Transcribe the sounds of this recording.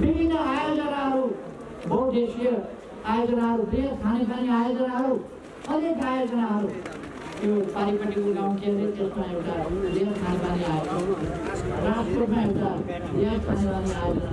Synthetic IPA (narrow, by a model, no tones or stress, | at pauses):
bibʱinːʌajod͡zʌnaɦʌɾu | bʱʌuʈd̪esijʌ | ajod͡zʌnaɦʌɾubeɦʌst̪ʰanepaniajod͡zʌnaɦʌɾu | ʌnekajod͡zʌnaɦʌɾu | t̪jopaɾipʌʈikoɡaũkeʌnet̪esmãewtabeɦʌst̪ʰanepaniajod͡ʒʌna | ɾastɾot̪mãewʈa | bẽst̪ʰanepaniajod͡zʌna